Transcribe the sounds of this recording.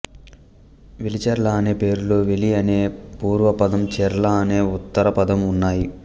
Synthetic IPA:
ʋilit͡ʃɐɾlaːneːpe̞ːɾulo̞ːʋeliɐne̞ːpuːɾʋɐpɐd̪ɐmt͡ʃɛɾlaːne̞ːut̪ːɐɾɐpɐd̪ɐmunːaːji

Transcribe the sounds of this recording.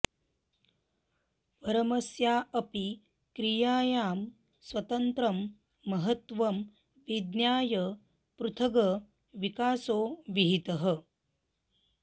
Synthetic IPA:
ʋɐɾɐmɐsjaːɐpi | kɾijaːjaːm | sʋɐt̪ɐnt̪ɾɐmː | ɐɦət̪ʋɐm | ʋid̪njaːjə | pɾut̪ʰɐɡɐ | ʋikaːsoːʋiɦit̪əɦə

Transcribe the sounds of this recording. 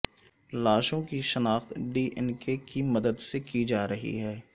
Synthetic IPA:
laːʃõkiʃɐnaːxt̪ɖiːʔɛnkekimɐd̪əd̪sekid͡ʒaːɾɐɦḭɦɛː

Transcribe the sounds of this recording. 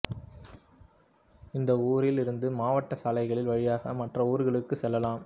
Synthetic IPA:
ɪnd̪ɐuːɾɪlɪɾɯnd̪ɯmaːʋɐʈːɐsaːlɐɪɣɐɭɪlʋɐɻɪjaːɣɐmɐʈrɐuːɾɣɐɭɯkːɯsɛlːɐlaːm

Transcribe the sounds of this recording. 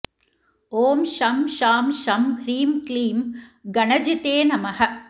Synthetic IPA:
oːmʃɐmʃaːmʃɐmhɾiːmkliːmɡɐɳɐd͡ʒɪt̪eːnɐmɐɦɐ

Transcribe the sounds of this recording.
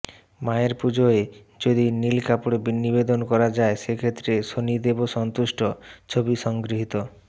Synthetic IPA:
maeɾpud͡ʑoe | d͡ʑod̪inilkapoɽebinːibed̪onkɔɾad͡ʑaeʃekʰet̪ːɾeʃonid̪eboʃɔnt̪uʃʈot͡ɕʰobiʃɔŋɡɾiɦit̪o

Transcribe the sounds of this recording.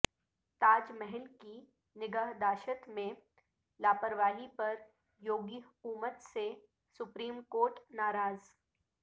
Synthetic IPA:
t̪aːd͡ʒmɛɦɛlki | nɪɡəɦd̪aːʃət̪mẽ | laːpəɾʋaːɦipɐɾ | joːɡiɦʊkuːmət̪se | sʊpɾiːmkoːɾʈnaːɾaːz

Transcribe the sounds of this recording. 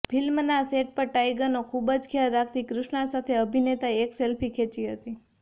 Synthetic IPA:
fʰɪlmnaseʈ̚pəɾʈajɡənokʰubəd͡ʒkʰjaɾːak̚ʰt̪ikɾʊʃɳasat̪ʰeəbʱinet̪aekselpʰikʰet͡ʃiɦət̪i

